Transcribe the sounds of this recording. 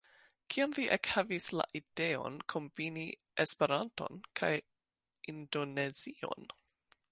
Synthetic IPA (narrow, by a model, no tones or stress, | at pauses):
kʰiamviʔekhavisla̰ʔid̥eo̞̰nkʰo̞mbini | espe̞ɾanto̞̰nkʰa̰j | indo̞ne̞zio̞̰n